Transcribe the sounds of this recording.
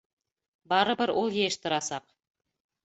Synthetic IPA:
bɑɾəbəɾwʔolˠje̞ʃt̪ʰəɾɑsɑq

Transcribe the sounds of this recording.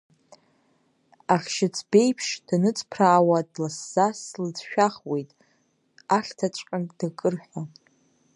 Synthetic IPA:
aχʲʃɪt͡sʰbe̞jpʰʂd̥anɨt͡sʼpʰraːwadlasːaslɨd͡zʃᶣaχwe̞jtʼ | aχʲtʰat͡ʃʷʼqʲʼandakʼɨrħʷᶣa

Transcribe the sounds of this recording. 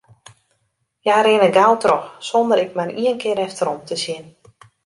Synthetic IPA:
jaɾɪnəɡalˠtrɔxsɔndəɾɪk̚maniənkɪəɾɛftəɾɔmtʰəsjɪn

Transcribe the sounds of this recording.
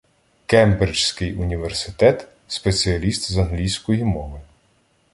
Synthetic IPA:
kɛmbeɾʲt͡ʃsʲkɪjʊnʲiʋersɪt̪ɛt̪ | spet͡sʲiɐlʲist̪zɐnɦlʲijsʲkɔjimɔʋɪ

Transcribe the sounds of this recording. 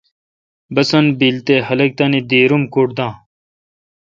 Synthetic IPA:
bɐsɐnbilt̪eːhɐlɐk̚t̪ɐːnid̪eːɾumkuɽd̪ãː

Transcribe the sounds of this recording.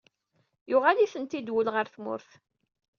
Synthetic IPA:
jʊʁaliθənt̪id̪wəlʁəɾθmʊ̰ɾθ

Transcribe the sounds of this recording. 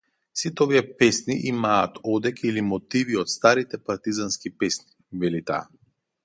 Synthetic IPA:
sit̪ɛɔviɛpɛsniʔimaːt̪ʰɔd̪ɛkilimɔt̪iviɔt̪st̪aɾit̪ɛpaɾt̪izanskipɛsni̥ | vɛlit̪a̰ː

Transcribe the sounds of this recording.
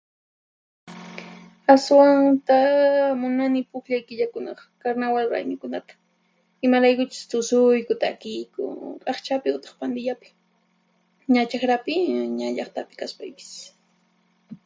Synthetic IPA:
aswant̪amʊnanɪpʊxʎajkɪʎakʊnɑχkaɾnawalɾa̰jmɪkʊnat̪ḁ | ɪmaɾajkʊt͡ʃʊ̥st̪ʊsʊjkʊt̪akɪjkʊ̰kʼaχt͡ʃapɪʊt̪e̥χpand̪ɪʎapɪ̥ | ɲat͡ʃaxɾapɪɲaʎɑχt̪apɪ̥kaspajpɪ̥s

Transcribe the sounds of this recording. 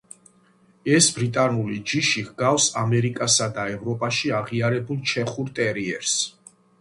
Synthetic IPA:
ɛsbɾit̪ʼanulid͡ʒiʃiʁɡafsamɛɾikʼasad̪aɛvɾɔpʼaʃiaʁiaɾɛbulˠt͡ʃʰɛχuɾt̪ʼɛɾiɛ̰ɾs

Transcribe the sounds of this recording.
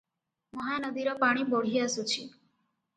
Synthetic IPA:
mɔɦanɔd̪iɾɔpaɽ̃ibɔɽ̤iasut͡ʃʰi

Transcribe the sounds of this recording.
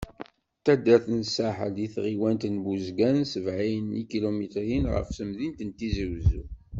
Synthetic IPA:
t̪æd̪æθənsaħə̰liθʁiwænt̪ənbuzɡænsəvʕijənːḭkilumit̪ɾinʁə̰fsəmðint̪ənt̪izəwzṵ

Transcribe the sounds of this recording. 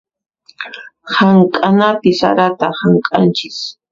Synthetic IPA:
haŋkʼanapɪsa̰ɾat̪ahaŋkʼant͡ʃɪs

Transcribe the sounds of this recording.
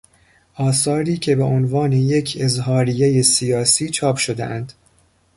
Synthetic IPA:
ʔɒːsɒːɾiːcʰe̞beʔonvɒːne̞je̞cʰezɦɒːɾijeje̞sijɒːsiːt͡ʃʰɒːpʰʃo̞d̪ḛʔænd̪̥

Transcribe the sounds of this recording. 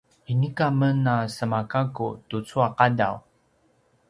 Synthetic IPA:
inikamənasəmakakṵtut͡suaqadaw

